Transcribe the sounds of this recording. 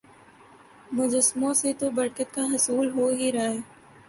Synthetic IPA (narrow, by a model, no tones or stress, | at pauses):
mʊd͡ʒəsmõset̪obɐɾkət̪̚kaɦɐsuːlɦoɦiɾaːeː